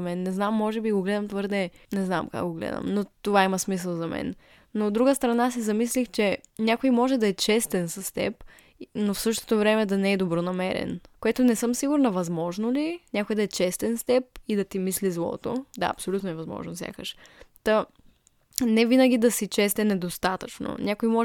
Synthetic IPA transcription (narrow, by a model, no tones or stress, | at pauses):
mɛnːɛznamːɔʒɛbiɡoɡlɛd̪əmt̪vɤɾd̪ɛnɛzna̰mka̰ɡɡoɡlɛ̰d̪ə̰mnot̪ovaimɐsmis̬əlˠzɐmɛ̰n | noːd̪ːɾuɡəst̪ɾɐnas̬izɐmislixt͡ʃɛnʲakojmɔʒɛd̪ɐɛt͡ʃɛst̪ɛnsɐst̪ɛ̰p | nofsɤʃt̪o̥t̪ovɾɛmɛd̪ɐnɛɛd̪obɾonɐmɛɾɛ̰nkoɛt̪onɛsɤmsiɡuɾnɐvɐzmɔʒnolinʲakojd̪ɐɛt͡ʃɛst̪ɛnst̪ɛp̚id̪ɐt̪imislizlˠɔ̰t̪o̰d̪a̰ɐ̰psolʲut̪noɛvɐzmɔ̰ʒnofsʲja̰kəʃt̪ɐ | nɛvinəɡʲid̪ɐsit͡ʃɛst̪ɛnɛd̪ost̪at̪ət͡ʃno̰nʲakojmɔ